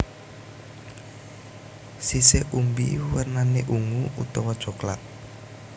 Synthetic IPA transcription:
siseʔumbiwərnaneʔuŋuut̪ɔwɔd̥ʒ̥ɔ̤kla̰t̪̚

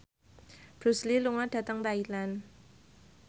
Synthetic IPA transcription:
b̥ɾusliluŋaɖ̥a̤t̪əŋt̪ailan

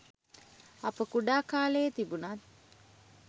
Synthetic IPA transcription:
ɐpəkuɖaːkaːləjət̪ibunat̪̚

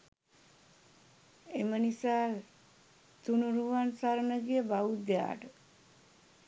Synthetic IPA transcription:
emənisaː | t̪unuɾuʋansaɾənəɡijəbaʋud̪eja̰ːʈə

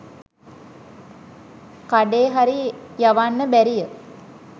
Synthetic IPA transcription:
kaɖeːɦaɾijaʋanːəbæɾijə

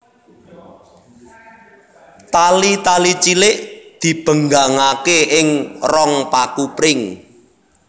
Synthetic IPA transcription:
t̪alit̪alit͡ʃilɪʔd̪̥i̤b̥ə̤ŋɡaŋakeɪŋrɔŋpakupɾɪŋ

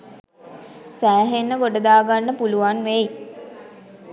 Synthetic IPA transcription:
sæːɦenːəɡoɖəd̪aːɡanːəpuluʋanʋeji

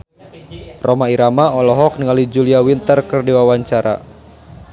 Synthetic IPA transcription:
rʔomaiɾamaɔlɔɦɔk̚niŋalid͡ʒuliawint̪ərkɨrdiwawaɲt͡ʃaɾa̰

